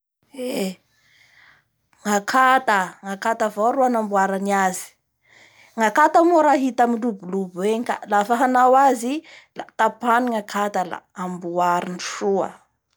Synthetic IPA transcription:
e | ŋakʰat̪əŋakat̪avoɾuanambuaɾaniazi̥ | ŋakat̪amuɾaɦit̪amiɳɖ͡ʐubulubweka̰lafaɦanawazilat̪apaniŋakʰat̪ala̰ambuaɾiniʂuə̰

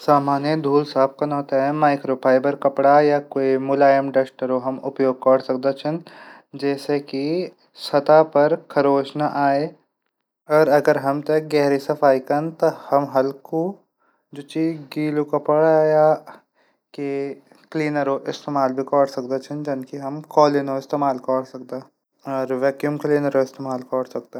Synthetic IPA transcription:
saːmaːnjəd̪ʱuːlsaːp̚kanɔːt̪aɦɛmaːɪkɾoːpʰaːɪbəɾkɐpɽajakoːimʊlaːjəmɖesʈəɾoɦɐmʊpjoːɡ̚kɔːɽsɐk̚d̪et͡ʃʰən | d͡ʒɛːseki | sɐt̪apɐɾkʰɐɾoːt͡ʃnaʔaːe | ɔːɾɐɡəɾɦɐmt̪ɐk̚ɡɛɦɾisɐfʰaːikɐnt̪ɐhɐmɦɐlku | d͡ʒoːt͡ʃiːɡiːlukɐpɐɽaːja | ke | kliːnəɾoʔɪst̪eːmaːlbʱikɔːɽsɐkd̪et͡ʃʰənd͡ʒɐnkiɦɐmkɔːlɪnoɪst̪eːmaːlkɔːɽsɐk̚d̪a | ɔːɾʋɛːkjumkliːnəɾoɪst̪eːmaːlkɔːɽsɐk̚d̪e

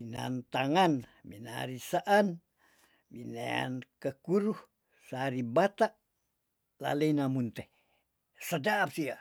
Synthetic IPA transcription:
ina̰nt̪aŋanmḭna̰ɾisaʔan | binea̰nkəkuɾuh | saɾibat̪aʔ | la̰leinamunt̪e | səd͡ʒaʔːp̚sia

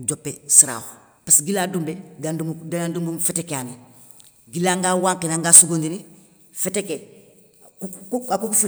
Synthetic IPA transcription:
ɟopːesiɾa̰ːho | pasɡilaːdumbeɡandumdaandumbumfetekeani | ɡilaŋɡawaːŋkinaŋɡasuɡondini | feteke | kakukufe

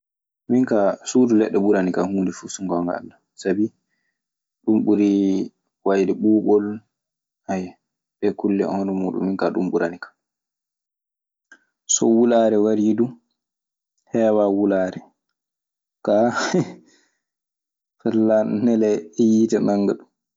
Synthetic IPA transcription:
miŋkasuːdulɛɗːɛbuɾanikahuːndɛfusuŋɡɔŋɡa̰a̰lːa | sabi | ɗumɓuɾi | wajdɛɓuːɓɔl | ʔaj | ɓɛkulːiɔ̰hɔnɔmuːɗṵnmiŋkaɗṵmɓuɾanikḁ | sɔ̰wulaɾɛwaɾidu | hɛːwawulaːɾɛ | ka | fɛlːannɛlɛjitanaŋːɡaɗum

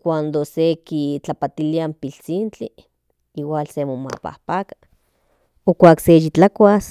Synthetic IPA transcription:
kʷand̪osekit͡ɬapat̪iliampilt͡sint͡ɬi | iwalsemoma̰pa̰hpakḁ | okʷaːksejit͡ɬakʷas

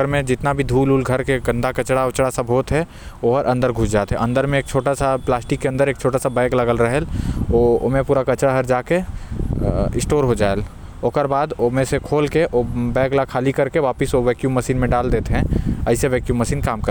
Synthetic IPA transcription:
əɾmẽd͡ʒɪt̪nabʱid̪ʱuːluːlɡʱɐɾkeɡə̃nd̪ʱakɐt͡ʃɽaʊt͡ʃɽasabʱoːt̪ɦɛ | oɦɾʔɐ̃nd̪əɾɡʱʊsd͡ʒaːt̪eɦɛ̰̃ʔɐ̃nd̪əɾmẽeːk̚t͡ʃʰoːʈasaplaːsʈɪkːeɐ̃nd̪əɾeːk̚t͡ʃʰoːʈasabɛ̃ːklɐɡəlɾɐɦɛloomẽpuːɾakɐt͡ʃɽaɦɐɾd͡ʒaːke | ɪsʈoːɾɦod͡ʒaːel | oːkəɾbaːd̪omẽsekʰoːlkeʔobɛ̃ːklakʰaːlikɐɾkeʋaːpɪsoʋɛːkjuːmɐsiːnmẽɖaːld̪eːt̪eɦɛ̃əɪseʋɛːkjuːbmɐsiːnkaːmkəɾ

